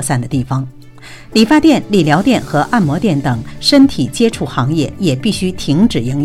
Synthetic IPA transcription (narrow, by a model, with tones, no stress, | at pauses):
sa˥˩nd̪ə˩t̪i˥˩fɑ˩ŋ | li˨˩fa˥t̪jɛ˥˩nli˨˩ljɑ˧˥ʊt̪jɛ˥˩nxɤ˧˥ʔa˥˩nmwɔ˧˥t̪jɛ˥˩nt̪ɤ˨˩ŋʂə˥nt̪ʰi˨˩t͡ɕjɛ˥ʈ͡ʂʰu˥˩xɑ˧˥ŋjɛ̰˥˩jɛ˨˩pi˥˩ɕy˥t̪ʰi˧˥ŋʈ͡ʂɻ̩˨˩ji˧˥ŋ